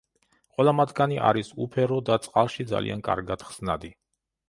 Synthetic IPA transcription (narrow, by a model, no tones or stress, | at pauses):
χʼwɛlˠamat̪ʰɡaniʔa̰ɾisupʰɛɾɔd̪at̪sʼqʼalˠʃid̪za̰lḭa̰nkʼa̰ɾɡad̪̥χz̥nad̪i